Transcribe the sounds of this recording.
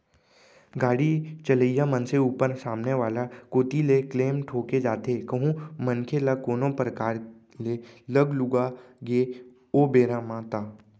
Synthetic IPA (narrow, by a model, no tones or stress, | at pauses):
ɡaːɽit͡ʃələijamənseuːpəɾsaːmneʋaːlakoːt̪ilekleːmʈʰoːked͡ʒaːt̪ekəɦũmə̃nkʰelakoːnõpɾəkaːɾ | leləɡlʊɡa | ɡe | oːbeːɾaːmãt̪aː